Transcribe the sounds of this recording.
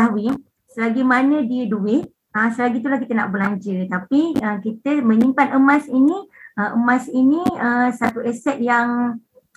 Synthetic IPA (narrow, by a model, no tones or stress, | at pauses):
awi | səlaɡimanə̃diəduɪʔ̚ | əsəlaɡit̪ulahkit̪əna̰ʔbəlaɲd͡ʒət̪apiəkit̪əmə̃ɲĩmpanəmãsinĩəʔəmãsiniəsat̪uɛsɛt̪̚jaŋ